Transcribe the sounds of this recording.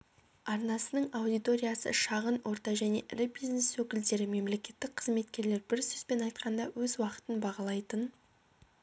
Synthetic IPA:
ɑɾnɑsənəɴawd̪ijt̪o̞ɾʲijɑsə̰ʃɑʁənwʔo̞ɾt̪ɑʒæne̞̰ʔɪ̰ɾɪbijzne̞swɵkʲɪld̪e̞ɾɪme̞mle̞kʲe̞t̪ːɪk̚ʲqʰəzme̞t̪kʲe̞ɾle̞ɾbɪɾsʏz̥pe̞nɑjt̪̚qɑnd̪ɑwɵzwɑqə̥t̪ənbɑʁɑlˠɑjt̪ən

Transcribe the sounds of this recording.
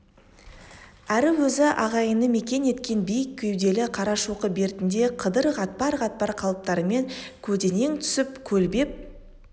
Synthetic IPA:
æɾɪwɵzɪʔɑ̰ʁɑjənəme̞kʲe̞ne̞t̪kʲe̞nbijɪkʲʰːʏjd̪e̞lɪqʰɑɾɑʃuqəbe̞ɾɪt̪ɪnd̪e̞qʰəd̪əɾʁɑt̪̚pɑɾʁɑt̪̚pɑɾqʰɑlˠəp̚t̪ɑɾəme̞ŋkʲʰɵt̪e̞ne̞ŋt̪ʰʏ̥sɪp̚kʲʰɵlbe̞p̚

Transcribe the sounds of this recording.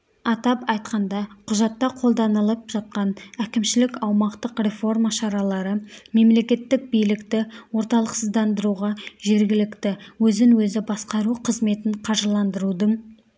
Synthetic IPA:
ɑt̪ɑpɑjt̪qɑnd̪ɑqʰʊʒɑt̪ːɑqʰo̞lˠd̪ɑnəlˠəp̚ʒ̥ɑt̪̚qɑnækʲɪmʃɪlɪkɑwmɑqt̪əqre̞fo̞rmaʃɑɾɑlˠɑɾəme̞mle̞kʲe̞t̪ːɪk̚bijlɪkt̪ɪwo̞ɾt̪ɑlˠəqsəzd̪ɑnd̪əɾuʁɑʒe̞ɾɡʲɪlɪkt̪ɪwɵzɪŋwɵzɪbɑsqɑɾuqʰəzme̞t̪ɪɴqʰɑʒəlˠɑnd̪əɾud̪əɴ

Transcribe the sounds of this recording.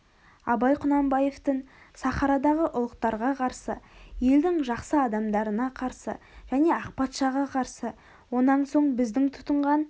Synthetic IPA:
ɑ̰bɑjqʰʊnɑmbɑje̞ft̪əɴ | sɑχɑɾɑd̪ɑʁəʔʊlˠəqt̪ɑɾʁɑqʰɑɾsəje̞ld̪ɪŋʒɑqsəɑd̪ɑmd̪ɑɾənɑqʰɑɾsə̰ | ʒ̥æne̞ɑq̚pɑt̪ʃɑʁɑqʰɑɾsə | wo̞nɑnso̞ɴbɪzd̪ɪŋt̪ʰʊ̥t̪əɴʁɑn

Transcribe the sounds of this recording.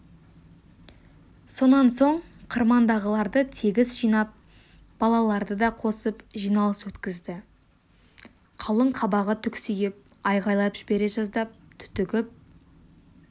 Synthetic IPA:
so̞nɑnso̞ɴqʰəɾmɑnd̪ɑʁəlˠɑɾd̪ət̪ʰeɡʲɪzʒijnɑp̚ | b̥ɑlˠɑlˠɑɾd̪əd̪ɑqʰo̞səpʒijnɑlˠəswɵt̪kʲɪzd̪ɪ | qʰɑlˠəɴqʰɑbɑʁət̪ʰʏksʏjɪp̚ | ɑjʁɑjlˠɑpʒɪbe̞ɾeʒɑzd̪ɑp̚t̪ʰʏ̥t̪ʏɡʲɪp̚

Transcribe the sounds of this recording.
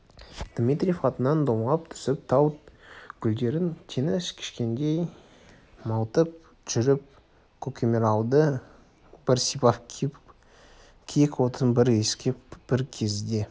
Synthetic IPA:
d̪̥mʲit̪ɾʲijfχɑt̪ənɑnd̪omlˠɑp̚t̪ʰʏ̥sɪp̚t̪ʰɑwt̪ɡʲʰʏld̪e̞ɾɪnt̪ʰenɪskʲʰɪ̥ʃkʲe̞nd̪e̞j | mɑwt̪əp̚ | ʒ̥ʏɾɪp̚ | kʲʰɵkʲʰemeɾɑwd̪ə | b̥ɪɾsipɑpkʲʰ | kʲʰejkwo̞t̪ɾənbɪɾe̞skʲepb̥ɪɾkʲʰe̞zd̪e̞

